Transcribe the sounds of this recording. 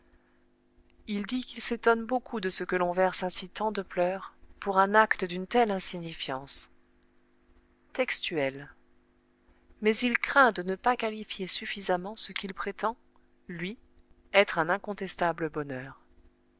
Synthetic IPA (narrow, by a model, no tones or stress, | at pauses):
ild̪ikilset̪ɔnbokʰud̪əsəkəlɔ̃vɛʁsɛ̃sit̪ɑ̃d̪əplœʁpuʁɛ̃nakt̪əd̪ynt̪ɛlɛ̃siɲifjɑ̃s | t̪ɛkst̪yɛl | mɛzilkχɛ̃d̪ənəpakalifjesyfizamɑ̃səkʲilpχet̪ɑ̃ | lɥi | ɛt̪χɛ̃nɛ̃kɔ̃t̪ɛst̪abləbɔnœːʁ